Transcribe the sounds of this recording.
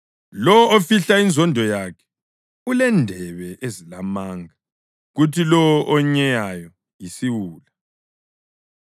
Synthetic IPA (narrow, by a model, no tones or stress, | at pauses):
lɔwɔofiɬainzʱɔndʱɔjakʰɛ̥ | ulɛndʱɛβɛʔezilamaːŋa | ɣutʰilɔwɔʔɔɲɛjajɔ | jisiwuːla